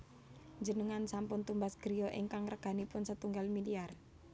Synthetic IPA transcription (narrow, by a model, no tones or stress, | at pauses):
d͡ʒənəŋansampʊnt̪umbasɡ̥ɾijoʔḭŋkaŋrəɡ̥a̤nipʊnsət̪uŋɡalmiliar